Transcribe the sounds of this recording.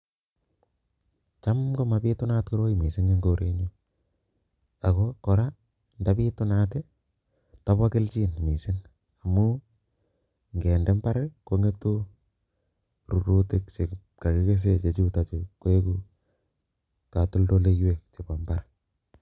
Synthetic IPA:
t͡ʃa˦mko˦ma˨pi˦tʊ˦na˦tku˦ɾo˦jimi˨sɪ˦ŋe˦ŋɡoɾe˦ɲo | a˨kokɔɾa | ndapi˦tʊ˦nat̬e˦ | tapa˦kɪ˦lt͡ʃiː˦nmi˨sɪ˦n | a˨mu | ŋɡe˨ndɛ˦mba˦ɾeko˦ŋe˦to˦ | ɾu˨ɾu˦tɪ˦kt͡ʃe˨ | ka˨ki˦ke˦s̬e˦t͡ʃe˨t͡ʃu˦ta˨t͡ʃikːwe˦ku˦ | ka˨tʊ˦ldo˦le˦jwe˨k̚t͡ʃe˨pambaɾ

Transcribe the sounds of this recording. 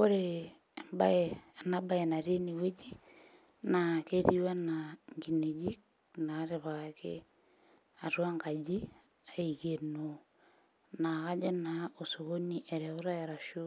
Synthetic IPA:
ko˦ɾe | ba˦e˨naba˦e˨na˨ɾi˦ni˨we˦d͡ʒi˦ | nakeɾiwa˦naŋɡi˨ne˨d͡ʒi˦k̚ | na˦ɾeβakḛ | a˨ɾwa˦ŋɡa˨d͡ʒi | a˦i˨keno | na˨ɣa˦d͡ʒe˦nao˨so˨ɣo˦ni˦ʔe˨ɾɛ˨o˦ɾa˦eɾa˨ʃo˦

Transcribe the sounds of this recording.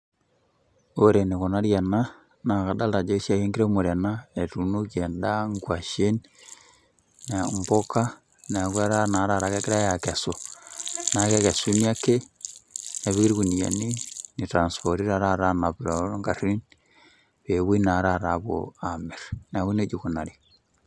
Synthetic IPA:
o˨ɾe˨ne˨ko˨na˦ɾja˨na˦ | na˨ka˨da˦lta˨d͡ʒo˦ʃa˦˨je˦ŋɡi˦ɾe˦mo˨ɾe˨na˦e˨tu˨no˦ke˨nda˦ŋɡwa˨ʃe˦n | na˨mbo˦ka˦ | ne˨a˨kwa˦ɾa˦na˨˦ɾa˨ɾa˨ke˦ki˦ɾa˦ja˨kɛ˨so˨ | na˨˦kɛ˦kɛ˨su˦ni˦a˦ke˦ | ne˨βi˦kiɾku˨ni˨ja̰˨ni˦ni˨tɾa˨nspɔ˨ɾi˦ɾa˨˦ɾa˦ɾa˦na˨pɾo˨˦ŋɡa˨ri˦n | pe˨wi˦na˨˦ɾa˦˨ɾa˨ko̰˨a˨mi˨ɾn˨a˨ku˦ne˦d͡ʒu˨ku˨na˨ɾi˨

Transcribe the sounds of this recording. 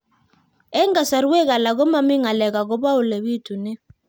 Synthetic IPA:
ɛ˦ŋɡa˨sa˨ɾwe˦ka˨la˨ɣɔ˦ma˦mi˦ŋa˨lɛ˨ka˨kɔ˦βa˦u˨le˨βi˦tu˨nɛ˦

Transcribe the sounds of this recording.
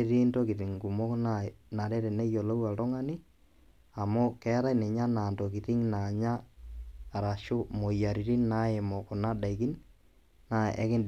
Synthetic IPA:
ɾi˦ntɔ˦kɪ˨ɾɪ˨ŋku˨mɔ˦kna˦na˨ɾɛ˦ɾɛ˨nɛ˦jɔ˨la˦wa˨tɔ˦ŋa˦ni˦ | a˨mo˦kɛ˦ɾa˦inɛ˨ɲa˦na˨ntɔ˨kɪ˨tɪ˦ŋna˨ɲaː˦˨ | ɾa˨ʃʊ˦mɔ˨ja˨ɾi˨ɾi˦na˦e˨mɔ˨kʊ˨na˦da˨i˨ki˦n | na˨ɛ̰˨˦kɪ˦nd

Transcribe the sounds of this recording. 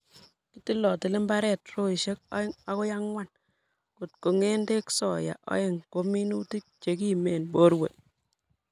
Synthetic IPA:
i˦ti˦lɔ˨tɪ˨lɪ˦mba˦ɾɛ˦˨tɾo˦i˨ʃe˦k̚ɔ̰˦ɪ˦ŋa˨kɔ˦ja˦ŋwa˦˨n | ku˨t̚ko˨ŋe˦nde˦ksɔ˨ja̰˨ʔɔ̰˦ɪ˦ŋko˦mi˦nu˦ti˦k̚t͡ʃe˨ki˦me˨nbo˦ɾwḛ˨

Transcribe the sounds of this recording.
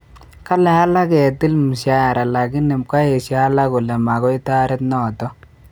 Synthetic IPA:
ka˦lɛ˨a˦la˦kɛ˨tɪ˦lm˨ʃa˦˨ɾa˨la˨ɡɪ˦nɪ˨mka˦e˨ʃi˨a˦la˦kʊ˨lɛ˨ma˨ɡɔ˦ɪ˦ta˦ɾɪ˦t̪nɔː˦˨tɔ˦

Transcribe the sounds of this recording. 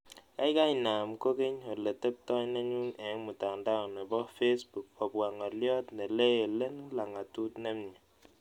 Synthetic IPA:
a˦i˦ka˦i˨na˨mko˦ke˦ɲo˨le˨te˦p̚tɔ˦ɲna˦ɲu˦ŋɛ˨˦mu˨ta˨ŋnda˦˨nɛ˨bɔ˦fe˦sbu˨k̚pɔ˨bwa˨ŋɔ˨ljɔ˦tne˨le˦je˨le˦n˦la˨ŋa˨tu˦tne˦mɲi˨

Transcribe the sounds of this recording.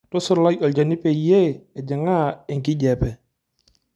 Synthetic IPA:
tʊ˦sʊ˦˨ɾla˦jɔ˨ld͡ʒa˨ni˦pɛ˨je˦ɛ˨d͡ʒɪ˨ŋa˦ɪ˨ŋkɪ˦ɟɛ˨pɛ˨

